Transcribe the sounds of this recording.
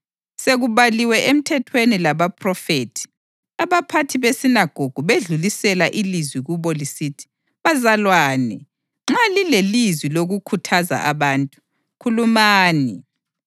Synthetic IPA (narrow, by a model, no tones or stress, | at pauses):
seɣuβaliwɛʔem̩tʰɛtʰwenilaβapʰrɔfetʰi̥ | aβapʰatʰiβesinaɡ̥ʱoɡ̥ʱuβeɮulisɛlaʔilizwiɣuβɔlisitʰi̥ | βazalwaːnɛ̰ | ŋ͡ǁalilelizwiloɣukʰutʰaza̰aβaːntʼu̥ | kʰulumaːni